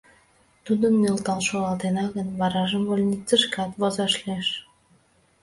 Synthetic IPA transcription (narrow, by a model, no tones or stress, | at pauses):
t̪ud̪ənːelt̪ɑlʃolɑt̪enɑɣənβɑɾɑʒəmvolʲnʲikt͡səʃkɑt̪βozɑʃleʃ